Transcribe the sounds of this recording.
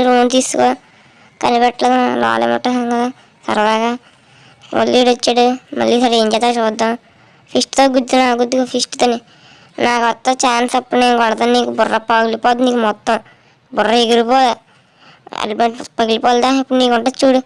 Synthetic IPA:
ɾoːnt̪iːsukoː | kɐnibɛʈːlɐd̪naːla̰ːlḛmɐ̰ʈːɐɦɐŋkɐd̪aː | sɐ̰ɾɐd̪aːɡa | ʋo̰lːiːɽɐt͡ʃːaːɽumɐ̰lːisɐɾɐeːɲd͡ʒɛːt̪aːt͡ʃɔːd̪ːaːm | pʰisʈt̪oːɡud̪ːinaːɡud̪ːikɐpʰisʈt̪ɐni | naːkɔt̪ːɐt͡ʃaːnsɐpːuɽneːnkɔɽɐt̪aːnniːkubʊrːɐpɐɡilipoːd̪niːkumɔt̪ːɐm | bʊrːɐeɡiɾipoːd̪ɐ | ɐ̰ɖbɐʈpɐɡilipoːld̪aːipːuɽniːkuɳʈɐt͡ʃːuːɽu

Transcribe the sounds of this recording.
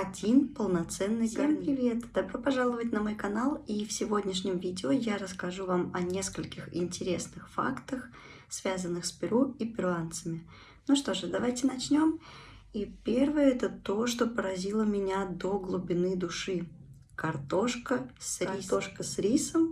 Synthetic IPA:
ɐdʲinpəlˠnɐt̪sɛnːɨjaɪvʲet̪d̪ɐbɾo̞pɐʐalˠəvətʲnəmo̞jkɐnalˠifsʲɪvo̞dʲnʲɪʂnʲɪmvʲidʲɪojaɾəskɐʐuvamɐnʲe̞skəlʲkʲɪxɪ̰nʲtʲɪɾʲe̞snɨxfa̰kt̪əx | svʲazənːɨxspʲɪɾuipʲɪɾʊant̪səmʲɪ | nuʂt̪o̞ʐɨd̪ɐvajtʲɪnɐt͡ɕnʲo̞m | ipʲe̞rvɨjəɛt̪ət̪o̞ʂt̪o̞pəɾɐzʲilˠəmʲɪnʲad̪oɡlˠʊbʲɪnɨd̪ʊʂɨ | kɐrt̪o̞ʂkəsioʂkəsɾʲisəm

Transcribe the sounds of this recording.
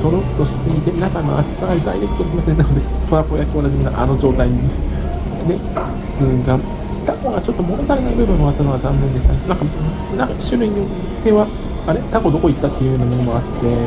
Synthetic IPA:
so̞ɾoɯ̥t̪ːo̞ɕi̥t̪eit̪enakano̰a̰t͡ɕɨ̥saaɾid̪a̰iɾeki̥t̪oɾakʲimasẽ̞nanod̪epoɾapojakɯonaʑimʲinaa̰no̞ʑo̞ːt̪aiɲ̟ine | ne̞ | sɨɡa | t̪ako̞ɡat͡ɕo̞t̪ːomo̞nozaɾinamɯɾonoat̪ːano̞ɡazãnːend̪est̪anãŋka | nãkaɕɨɾɯ̟iɲ̟io | t̪e̞βa | anet̪ako̞d̪o̞ko̞it̪ːat̪ːe̞iɯ̟hɯ̟ːnamo̞no̞moat̪ːe̞

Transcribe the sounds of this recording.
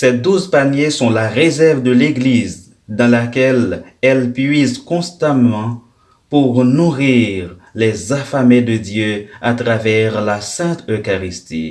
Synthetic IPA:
sɛd̪uzpanjesɔ̃laʁezɛʁvd̪əleɡliz | d̪ɑ̃lakɛlɛlpɥizkɔ̃st̪amɑ̃ | puʁnuʁiʁ | lɛzafamed̪əd̪jøat̪ʁavɛʁlasɛ̃t̪økaʁist̪ḭ

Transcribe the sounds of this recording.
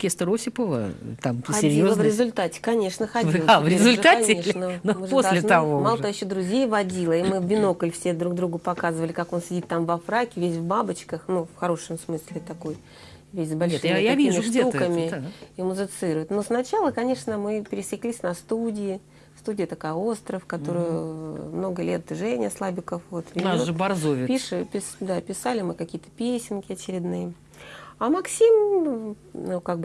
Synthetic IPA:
kʲest̪əɾosʲɪpəvə̰t̪amxsɐdɪɾʲiolˠəvɾʲɪzʊlʲt̪atʲɪ̥kɐnʲe̞ʂnəxɐd̪ʲˠavɾʲɪzʊlʲt̪aɐnʲɪeʂnənoɨpod̪ʲalʲɪnt̪ɐvomalˠəajɪɕːod̪ɾʊzʲejvɐdʲilˠəimɨvbʲɪno̞kəlʲfsʲe̞d̪ɾuɡd̪ɾuɡʊpɐkazɨvəlʲɪkako̞nsʲɪdʲit̪ːamvɐfɾakʲɪvʲesʲvbabɨt͡ɕkəxnufxɐɾo̞ʂəmsmɨsʲlʲɪt̪ɐko̞j | vʲesʲzbɐlʲʂɨmjakʲimʲɪʂɡd̪ʲeukəmʲɪɪimʊzɨt̪sɨɾʊjʊt̪nosnɐt͡ɕalˠəkɐnʲe̞ʂnəmɨpʲɪɾʲɪsʲɪklʲisʲnɐst̪udʲɪɪ | st̪udʲɪjət̪ɐkajo̞st̪ɾəfkɐt̪o̞ɾɨjʊmno̞ɡəlʲet̪ʐɛnʲɪɐslˠabʲɪkəfvo̞t̪vʲinazʐɨbɐrzovʲɪpʲiʂɨpʲɪsd̪apʲɪsalʲɪmɨkɐkʲijət̪ə̥pʲesʲɪnkʲɪɐt͡ɕɪɾʲɪd̪nɨjə | amɐksʲim | nukaɡ̚bɨ

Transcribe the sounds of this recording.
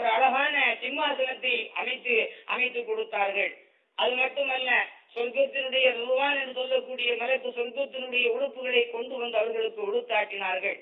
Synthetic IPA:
ɾɐɭɐɣaːnɐsɪmːaːsɐnɐt̪ːɐɪɐmɐɪt̪ːɯʔɐ̰mɐɪt̪ːɯkːɔɽɯt̪ːaːɾɣɐɭ | ʔɐðɯmɐʈːɯmɐnːɐsɔlkɯt̪ːɪnɯɽɐjɐnɪɾʋaːnɛnːɯsɔlːɐkːuːɽɪjɐmɪɾɐpːɯsɔlkɯt̪ːɪnɯɽɐjɐʊɻɯpːɯɣɐɭɐɪkːɔɳɖɯʋɐnd̪ɐʋɐɾɣɐɭɯkːɯɔɽɯt̪ːaːʈːɪnaːɾɣɐɭ

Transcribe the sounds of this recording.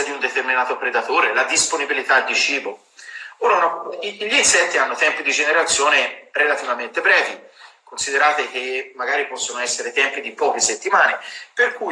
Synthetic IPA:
d̪iund̪et̪erminaːt̪opɾed̪at̪oːɾelad̪isponibilit̪ald̪it͡ʃiːbo | oːɾanɔʎːisɛt̪ːianːot̪ɛmpid̪id͡ʒeneɾat̪sːjoːneɾelat̪ivament̪epɾɛːvikonsid̪eɾaːt̪ek̟emːaɡaːɾipɔsːonoɛsːeɾet̪ɛmpid̪ipɔːk̟eset̪ːimaːneperku

